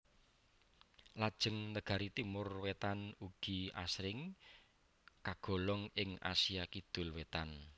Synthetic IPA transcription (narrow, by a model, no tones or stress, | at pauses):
lad̥ʒ̥əŋnəɡ̥a̤ɾit̪imʊrwet̪anuɡ̥i̤a̰sɾɪŋ | kaɡ̥ɔ̤lɔŋɪŋa̰siakid̪̥ʊ̤lwet̪an